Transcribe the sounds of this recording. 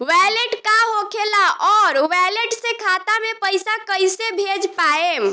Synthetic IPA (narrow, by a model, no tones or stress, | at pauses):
ʋɛleʈkaɦokʰelaɔːɾʋɛleʈsẽkʰat̪amepəjsakəjsebʱed͡ʒpaem